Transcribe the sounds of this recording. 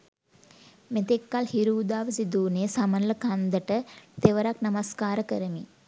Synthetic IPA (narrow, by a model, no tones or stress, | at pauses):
met̪ekːalhiɾuːd̪aːʋəsid̪uːnesɐmɐnləkand̪əʈət̪eʋəɾaknɐmɐskaːɾəkəɾəmi